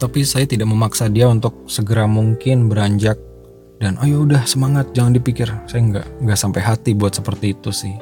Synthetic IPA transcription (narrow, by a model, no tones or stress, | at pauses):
t̪apisajat̪idak̚məmaksadiaunt̪ʊk̚səɡəɾamuŋkɪnbəɾaɲd͡ʒak̚ | danajaudahsəmaŋat̪̚d͡ʒaŋandipikɪrsajaŋɡa̰ʔŋɡaʔsampajɦat̪ibuat̪səpərt̪iːt̪usɪh